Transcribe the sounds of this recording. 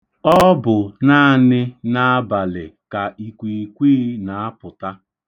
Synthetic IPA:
ɔ˦bʊ˨na˦˨nɪ˦na˦a˦ba˨lɪ˨ka˨ʔi˨kʷi˨kʷiː˦na˨a˦pʊ˨ta˦

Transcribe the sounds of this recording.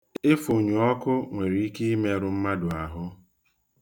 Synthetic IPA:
ɪ˦fo˨ɲu˨ɔ˦kʊ˦ŋʷe˨ɾi˨i˦ke˦i˦me˦ɾʊ˨m̩˦ma˦dʊ˨a˨ɦʊ˦

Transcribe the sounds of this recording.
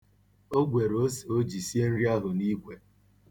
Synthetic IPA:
o˦ɡʷe˨ɾo˦so˦d͡ʒi˨si˦e˦n̩˦ɾi˦a˦ɦʊ˨ni˦ɡʷe˨

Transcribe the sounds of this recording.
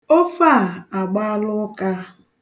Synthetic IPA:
o˦fa˦˨a˨ɡ͡ba˦lʊ˦ka˦

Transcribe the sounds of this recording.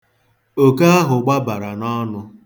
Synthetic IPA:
o˨ka˦a˦ɦʊ˨ɡ͡ba˦ba˨ɾa˨nɔ˦nʊ˦

